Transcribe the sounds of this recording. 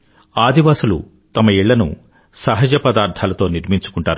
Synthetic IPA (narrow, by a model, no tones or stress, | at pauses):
aːd̪iʋaːsulṵ | t̪ɐmɐiɭːɐnṵ | sɐɦɐd͡ʒɐpɐd̪aːɾt̪ʰaːlɐt̪o̞ːniɾmiɲt͡ʃu̥kuɳʈaːɾu